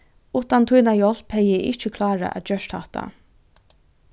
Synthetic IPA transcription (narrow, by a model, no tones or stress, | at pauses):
uːht̪ant̪ʰujnajɔl̥phɛjɪʔɪ̰ht͡ʃəkʰlɑːɹa̰ʔæ̰t̪d͡ʒœʃt̪ha̰ht̪a̰